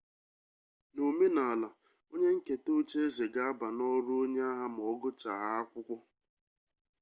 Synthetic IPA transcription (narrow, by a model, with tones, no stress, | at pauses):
no˨me˦na˨a˨la˨ | o˦ɲe˦ŋ̩˦ke˨to˦t͡ʃe˦e˦ze˨ɡa˦a˦ba˨nɔ˦ɾʊ˦o˦ɲe˦a˦ɦa˦m˨ɔ˨ɡʊ˦t͡ʃa˨ɦa˦a˦kʷʊ˦kʷʊ˦